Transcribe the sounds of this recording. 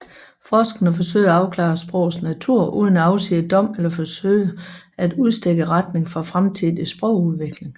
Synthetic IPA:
fɒːsɡ̥ɐnəfɒ̽sø̰ɪ̰æɑ̈ʊkʰlɑ̰̈ːsb̥ʁɔ̽ʊð̩ˠsnæt͡sʰuɐ̰ʔuːð̞ˠənæɑ̈ʊsḛːəd̥ɒ̽m̰elɐfɒ̽sø̰ɪ̰ə | æd̥uð̞ˠsd̥eɡ̥əʁad̥ne̝ŋfɒ̽fʁamt͡sʰiðˠisb̥ʁɔʊ̰uðˠʋe̝ɡ̥le̝ŋ

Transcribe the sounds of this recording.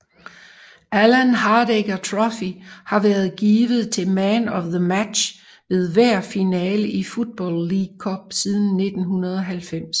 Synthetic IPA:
ʔælænɦɑːd̥eɡ̥ɐt͡sʰʁɒfihɑ̈ʋæɐð̞ˠɡ̥iːʋð̩ˠt͡sʰe̝lmænɒðəmæd̥ɕ | ʋe̝ð̞ˠʋæɐ̰finɛːləʔifud̥̚b̥ɒ̰lːiɡkʰɒb̥̚siðˠn̩ːe̝d̥n̩ɦunɐð̞ˠɒ̽ɦælfem̰s

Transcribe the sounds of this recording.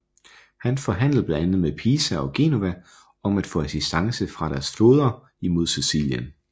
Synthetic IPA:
hænfɒ̽ɦæn̰ləð̩ˠb̥lænænð̩ˠmepʰiːsæɒ̽ɡ̥e̝̰no̝ʋæ | ɒ̽mæd̥fɔ̰̽ːæsisd̥ɑ̈ŋsəfʁɑ̈ɾ̥æɐsfoːð̞ˠɐ | imo̝ð̞̰ˠsesḭːljən

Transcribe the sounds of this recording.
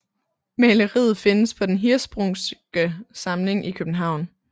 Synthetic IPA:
mɛləʁḭð̩ˠfe̝nəspʰɒ̽d̥enɦiɐsb̥ʁɔŋsɡ̥əsɑ̈mle̝ŋʔikʰøb̥n̩ɦɑ̈ʊ̰n

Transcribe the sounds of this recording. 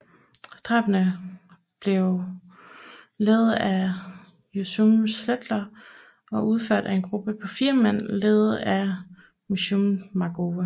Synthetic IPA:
d̥ʁɑ̈b̥ənə | b̥le̝ʊ | leːð̞̩ˠæ | josumsled̥lɐ | ɒ̽ʔuð̞ˠføɐ̰d̥æe̝nɡ̥ʁub̥əpʰɒ̽fiːɐmæn̰leːð̩ˠæ | miɕummɑ̈ɡ̥oːʋə

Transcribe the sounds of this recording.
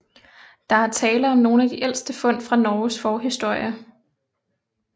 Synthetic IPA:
d̥ɑ̈æɐt͡sʰɛːləɒ̽mno̝ːn̩æd̥iʔel̰sd̥əfɔ̽n̰fʁɑ̈nɒːsfɒːɦisd̥o̝ɐ̰jə

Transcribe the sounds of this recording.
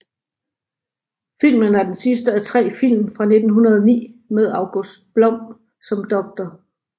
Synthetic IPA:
fil̰mənæɐd̥ensisd̥əæt͡sʰʁɛ̰ːfil̰mfʁɑ̈ne̝d̥n̩ɦunɐð̞ˠɒnḭːmeð̞ˠɑ̈ʊɡ̥osd̥̚b̥lɒ̽m̰ | sɒ̽md̥ɒ̽ɡ̥̚d̥ɐ

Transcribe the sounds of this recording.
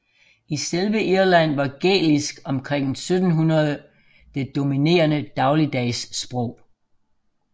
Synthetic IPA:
iselʋəʔiɐlæn̰ʋɑ̈ɡ̥ḛːlisɡ̥ɒ̽mkʰʁeŋ̰sød̥n̩ɦunɐð̞ˠ | d̥e̝d̥o̝mine̝̰ːɐnəd̥ɑ̈ʊlid̥ɛɪsːb̥ʁɔʊ̰

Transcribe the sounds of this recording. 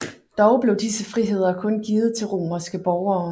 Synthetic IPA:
d̥ɒʊb̥le̝ʊd̥isəfʁiɦe̝ð̞̰ˠɐkʰɔ̽nɡ̥iːð̩ˠt͡sʰe̝lʁo̝̰ːmɐsɡ̥əb̥ɒʊɐː

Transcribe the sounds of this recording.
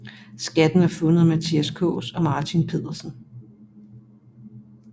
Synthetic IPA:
sɡ̥æd̥n̩æɐfɔ̽nəð̩ˠmæt͡sʰiæskʰɔ̰̽ːsɒ̽mɑ̈ːt͡sʰinpʰe̝ð̰ˠɐsn̩

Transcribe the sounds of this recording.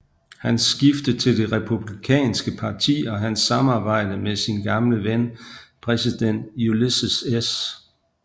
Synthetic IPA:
hænsɡ̥ifd̥ət͡sʰe̝ld̥e̝ʁɛpʰub̥likʰɛ̰ːnsɡ̥əpʰɑ̈t͡sʰḭːɒ̽ɦænsːɑ̈mɑ̈ːb̥ɑ̈ɪ̰d̥əmesinɡ̥ɑ̈mləʋenpʰʁɛsid̥en̰d̥julisəses

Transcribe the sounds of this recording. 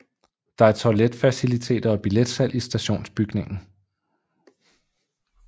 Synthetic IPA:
d̥ɑ̈æɐt͡sʰɒled̥fæsilit͡sʰe̝̰ːd̥ɐɒ̽b̥iled̥sæl̰ʔisd̥æɕo̝̰ːnsb̥yɡ̥ne̝ŋn̩

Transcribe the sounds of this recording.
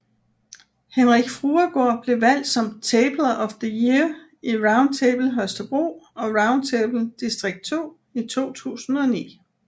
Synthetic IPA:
henʁiɡ̥fʁuːɐɡ̥oɐ̰b̥le̝ʋæl̰d̥sɒ̽mt͡sʰeːb̥lɐʔɒ̽fðəjiɐ | iʁɑ̈ʊ̃n̥̚t͡sʰeːb̥l̩ɦœsd̥ɐb̥ʁo̝̰ːɒ̽ʁɑ̈ʊnd̥̚t͡sʰeːb̥l̩d̥isd̥ʁeɡ̥̚d̥̚t͡sʰo̝̰ː | it͡sʰo̝̰ːt͡sʰṵːsn̩ɒ̽nḭː

